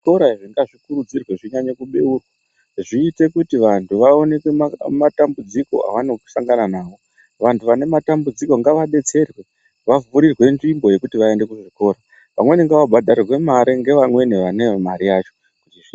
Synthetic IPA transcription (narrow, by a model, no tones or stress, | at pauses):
ʐiko̞ɾaiʐiŋɡaʐikuɾud͡zirwe̞ʐiɲaɲekuɓe̞urwa | ʐiːte̞kutiʋantʰuʋao̞ne̞kweamatambud͡ziko̞̰a̰ʋanoku̥saŋɡananaːʋo̞ | ʋantʰuʋane̞matambud͡ziko̞ŋɡaʋaɓe̞t͡se̞rwe̞ | ʋavuɾirwe̞nd͡ʒimbo̞je̞kutiʋae̞nde̞kuʐiko̞ːɾa | ʋa̰mwe̞neŋɡaʋabʱadʱaɾirwe̞maɾiŋɡe̞ʋamwe̞neʋanemaɾijat͡ʃo̞ | kutii